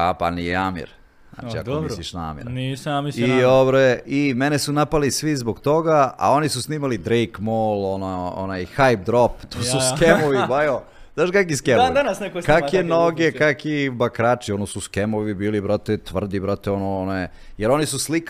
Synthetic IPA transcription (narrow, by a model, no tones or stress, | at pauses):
apa̰nijeamḭɾ | zna̰ːt͡ʃia̰oisliʃnaa̰mḭɾnisamiiobɾeimenesunapalisʋizboɡt̪o̞ɡaa̰o̞nisusniːmalid̪ɾejkmolˠonoo̰najxajp̚d̪ɾopt̪ʰuːsuskemoʋibajo | zaːʃkak̬iskemod̪anasnekokakenoɡekakibakɾaːt͡ʃionosuskemoʋibiːlibɾot̪et̪ʋr̩d̪ibɾot̪eonoono | jeɾo̞nisuslik